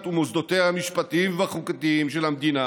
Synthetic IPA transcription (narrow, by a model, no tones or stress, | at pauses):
t̪umozd̪o̞t̪eamiʃpat̪iimveaχukat̪iimʃelamd̪ina